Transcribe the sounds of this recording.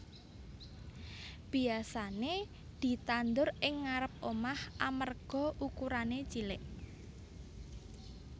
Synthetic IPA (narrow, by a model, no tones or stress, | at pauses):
b̥i̤asane | d̪̥i̤t̪and̪ʊɾɪŋːaɾəp̚omahʔamərɡ̥ɔ̤ʔukuɾanet͡ʃilɪʔ